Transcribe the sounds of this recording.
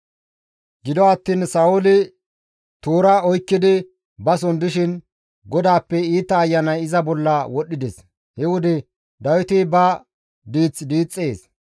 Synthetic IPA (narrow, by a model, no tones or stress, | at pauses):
ɡɪd̪ɔɐt̪ːiːnsɐʊlɪ | t̪oːɾaːɔjkːɪd̪ɪ | bɐs̬ɔnd̪ɪʃɪn | ɡɔd̪aːpːɛiːt̪ːɐːjːɐnɐjɪzɐbɔlːɐwɔɗːɪd̪ɛs | hɛwʊd̪ɪ | d̪ɐwɪt̪ɪbɐ | d̪iːt͡sːd̪iːt͡sʼːe̞ːs